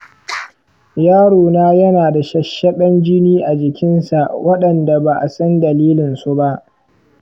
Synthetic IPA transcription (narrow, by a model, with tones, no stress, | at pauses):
jaː˦ɽoː˨naː˦jɐ˦naː˨da˨ʃɐ˦ʃːɐ˦ɓɐ˦nd͡ʒɪ˦niː˦ʔa˨d͡ʒɪ˨kʲɪ˦nsa˨ʔwɐ˦ɗɐ˨nda˨ba˨ʔa̰˨sɐ˦ndɐ˨liː˦lɪ˨nsu˦ba˦ʔ